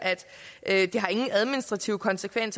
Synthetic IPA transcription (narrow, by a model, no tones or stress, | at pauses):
ʔæd̥ | ʔød̥e̝ɦɑ̈e̝ŋn̩æð̞ˠminisd̥ʁɑ̈t͡sʰiʊəkʰɒ̽nsəkʰʋen̰s